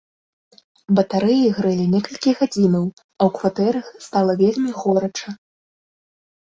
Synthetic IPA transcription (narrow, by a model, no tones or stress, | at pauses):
bɐt̪aɾɨjiɣɾɨlʲinʲɛkɐlʲkʲiɣad͡zʲinɐw | ɐwkvat̪ɛɾɐxst̪alˠɐvʲelʲmʲiɣɔɾɐt͡ʂɐ